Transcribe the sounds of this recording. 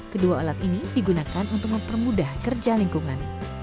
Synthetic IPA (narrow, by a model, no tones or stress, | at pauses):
kəduaolat̪inidiɡunakanunt̪ʊk̚məmpərmudahkərd͡ʒaliŋkuŋan